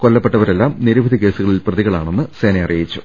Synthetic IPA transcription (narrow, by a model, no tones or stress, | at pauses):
ko̞lːɐpːe̞ʈːɐʋɐɾe̞lːaːmniɾubʱɐd̪ike̞ːsuɣɐɭilprɐðiɣɐɭaːɳenːɨseːnɐɐrijit͡ɕːu̥